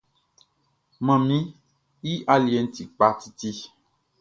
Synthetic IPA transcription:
mɛ̃˨mĩ˦ | ji˦ʔa˦li˨e˨˦n̩˦t̪i˨k͡pa˦t̪i˦t̪i˦

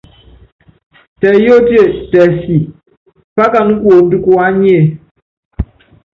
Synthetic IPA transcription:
tɛ˨jo˦dje˦˨tɛ˨si˨ | pa˦ka˨nu˦kwo˨n˦du˦ku˦a˦ɲ˦e˦˨

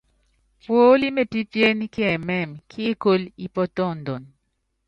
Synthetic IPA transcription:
pwo˦li˦me˦˨pi˦pje˦ni˦kjɛ˨mɛ˦˨mkʰi˦ko˦li˦pɔ˦tɔ˦˨n˨do˨n

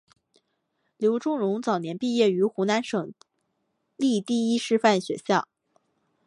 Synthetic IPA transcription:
ljo˧˥ʊʈ͡ʂʊ˥ŋɻʊ˧˥ŋt͡sɑ˨˩ʊnjɛ˧˥npi˥˧jɛ˥˩y˧˥xu˧˥na˧˥nʂɤ˨˩ŋ | li˥˧t̪i˥˩i˥ʂɻ̩˥fa˥˩nɕɥɛ̰˧˥ɕjɑ˥˩ʊ

